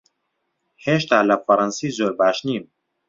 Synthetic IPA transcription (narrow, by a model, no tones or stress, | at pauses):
heːʃt̪aːlɐfɐɾɑnsiːzoːɾbaːʃniːm